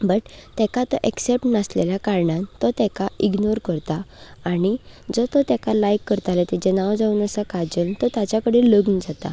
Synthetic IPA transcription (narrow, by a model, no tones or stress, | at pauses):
bəʈt̪ɛkat̪ɔʔeksep̚ʈnəsleljakaɾɳãnt̪ɔt̪ɛkaiɡnoɾkəɾt̪aːɽ̃id͡zɔt̪ɔt̪ɛkalajkːəɾt̪alet̪it͡ɕenawd͡zauːnəsakad͡ʑəlt̪ɔt̪jat͡ɕakəɽeləɡnd͡zat̪a̰